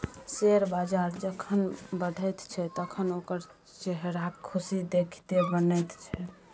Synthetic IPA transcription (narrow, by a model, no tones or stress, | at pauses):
seɾbad͡ʒaɾd͡ʒəkʰənbəɽʱɛt̪t͡ʃʰɛt̪əkʰənokəɾ | t͡ʃeɦɾakʰusid̪ekʰt̪ebənɛt̪t͡ʃʰɛ